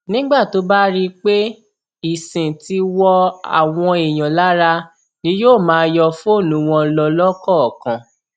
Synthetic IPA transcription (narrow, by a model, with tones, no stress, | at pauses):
nĩ˦ɡ͡ba˦˨to˨˦ba˦ɾi˦k͡pe˦ | i˨sĩ˨ti˧wɔ˧a̰˨w̃ɔ̃˧e˨j̃ã˨la˦ɾa˧ | nĩ˧˦joː˦˨mãː˨˦jɔ˧fo˦˨nũ˨˦w̃ɔ̃˧lɔ˧lɔ˦kɔ˦˨kã˨